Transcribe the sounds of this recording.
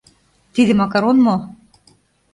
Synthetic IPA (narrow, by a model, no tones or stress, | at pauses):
t̪id̪ɘ̆mɑkɑɾonmo